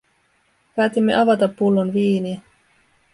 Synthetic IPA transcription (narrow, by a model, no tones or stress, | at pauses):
pæːt̪imːe̞ʔɑʋɑt̪ɑpːulːonʋiːniæ